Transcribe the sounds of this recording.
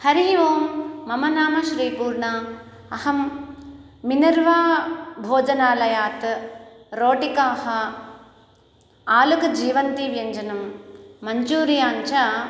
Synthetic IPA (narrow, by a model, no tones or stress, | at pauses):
hɐɾiɦiʋoːmːɐmɐnaːmɐʃɾiːpuːɾɳɐː | hɐmː | inɐɾʋaːbʱoːd͡ʒɐnaːlɐjaːt̪ | ɾoːʈikaːhɐ | aːlukɐd͡ʒiːʋɐnt̪iʋjɐɲd͡ʒɐnɐmːɐɲd͡ʒuːɾijaːɲt͡ʃɐ